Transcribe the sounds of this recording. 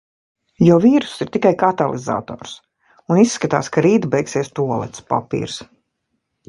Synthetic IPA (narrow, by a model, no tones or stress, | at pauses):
jɔːviːɾu̥siɾt̪ikajkat̪alˠḭza̰ːt̪ɔ̰ːɾs | unisːkat̪a̰ːskaɾiːt̪bɛjksiɛst̪uɔlˠɛ̰t̪spa̰pḭːɾs